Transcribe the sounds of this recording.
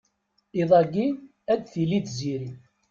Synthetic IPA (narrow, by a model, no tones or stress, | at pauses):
iðˤɑɡi | æd̪θilid̪ziɾi